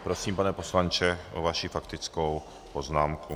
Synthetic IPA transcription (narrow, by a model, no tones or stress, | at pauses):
pɾo̞siːmpanɛpo̞slant͡ʃɛʔo̰vaʃifakt̪ɪt͡skow | po̞znaːmku